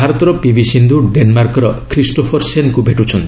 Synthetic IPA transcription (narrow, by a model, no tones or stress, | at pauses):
aɾɔt̪ɔɾɔpibʱisind̪ʱuɖenmaɾkɔɾɔkʰɾisʈopʰɔɾsenkubʱeʈut͡ʃʰɔnt̪i̥